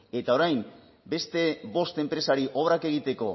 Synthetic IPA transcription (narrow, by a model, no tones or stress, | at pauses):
e̞t̪ao̞ɾajm | be̞st̪e̞βo̞st̪e̞mpɾe̞saɾiʔo̞βɾake̞ɣ̞it̪e̞ko̞